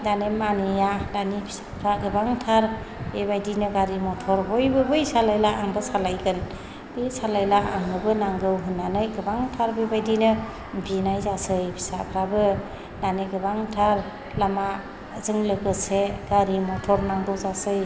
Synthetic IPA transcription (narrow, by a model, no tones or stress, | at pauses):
danemanijadanibʰi̥sḁpʰɾaɡɯbaŋtʰaɾ | bebajdinɯɡaɾimɔtʰɔɾɦɔjbɯbɯjsalajlaʔaŋbɯsalajɡɯn | b̥esalajlaʔaŋɯbɯnaŋɡɯwɦɯnːanɯjɡɯbaŋtʰaɾbebajdinɯ | binajzasɯjpʰi̥sapʰɾabɯ | daniɡɯbaŋtʰaɾ | lama | zɯŋlɯɡɯseɡ̥aɾimɔtʰɔɾnaŋdɔwzasɯj